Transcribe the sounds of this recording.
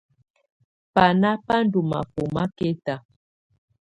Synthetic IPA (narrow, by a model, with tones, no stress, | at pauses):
pa˨na˦pa˦n˦du˨ma̰˨po˨ma˦ke˦ta˨